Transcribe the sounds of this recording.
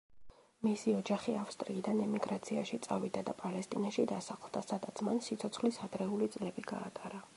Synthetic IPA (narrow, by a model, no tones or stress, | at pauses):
misiɔd͡ʒaχiafst̪ʼɾiːd̪anɛmiɡɾat̪sʰiaʃit̪sʼavid̪ad̪apʼalɛst̪ʼinaʃid̪asaχlˠd̪asad̪at̪sʰmansit̪sʰɔt̪sʰχlisad̪ɾɛulit̪sʼlɛbiɡa̰ːt̪ʼaɾa